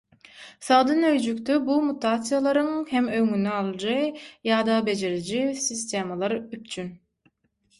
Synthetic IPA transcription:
sɑːd̪ɯnøjd͡ʒykʲt̪ybumut̪ʰaːt̪sɨjalˠɑɾɯŋhemøŋynɛɑlˠd͡ʒɯjɑːd̪ɑbe̞d͡ʒeɾid͡ʒisist̪ʲeːmɑlˠɑɾyp̚t͡ʃʰyn

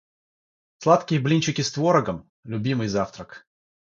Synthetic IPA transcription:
slˠat̪kʲɪjəblʲinʲt͡ɕɪkʲɪst̪voɾəɡəm | lʲʊbʲimɨjzaft̪ɾək

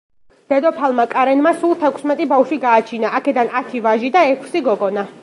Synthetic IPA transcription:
d̪̥ɛd̪ɔpʰalˠmakʼaɾɛnmasulˠt̪ʰɛkʷʰsmɛt̪ʼibafʃiɡaːt͡ʃʰinaʔakʰɛd̪anat̪ʰivaʒid̪aɛkʰsiɡɔɡɔna

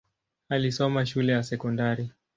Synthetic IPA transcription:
alisɔmaʃulɛjasɛkɔndaɾi

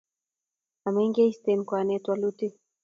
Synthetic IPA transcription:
amɛŋɡeist̪enkwanɛtwaluti

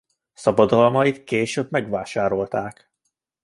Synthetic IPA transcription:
sɒbɒd̪ɒlmɒit̪keːʃøbmɛɡvaːʃaːɾo̞lt̪aːk

